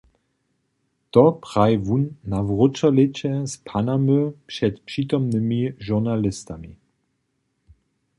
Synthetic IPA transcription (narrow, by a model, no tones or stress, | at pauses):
tɔpʁ̥ajvunːavʁʊt͡ʃalɪt͡ɕɛspʰanamøpʂɛtpʂitɔmnəmiʒuʁnalɪstami